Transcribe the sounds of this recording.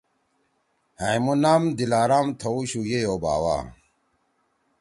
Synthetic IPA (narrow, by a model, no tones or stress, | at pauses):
hãimunamd̪ilaːɾamt̪ʰouɕujejoba̰ːwa̰